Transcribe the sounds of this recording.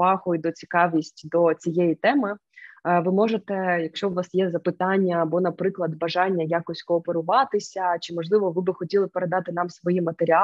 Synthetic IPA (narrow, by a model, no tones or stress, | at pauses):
ɑxɔid̪ɔt͡sʲi̥kɑʋʲisʲtʲd̪ɔt͡sʲijɛjit̪ɛmɪ | ʋɨmɔʐet̪ɛjɐkʃt͡ʃɔʊʋɑsjɛzɐpɪt̪ɑnʲːɐbɔnɐpɾɪklˠɐd̪bɐʒɑnʲːɐjakɔsʲkɔɔpeɾʊʋɑt̪ɪsʲɐt͡ʃɪmɔʐlˠɪʋɔʋɨbɨxɔtʲilˠɪpeɾed̪ɑt̪ɪn̪ɑmsʋɔjimɐt̪eɾʲɪɑ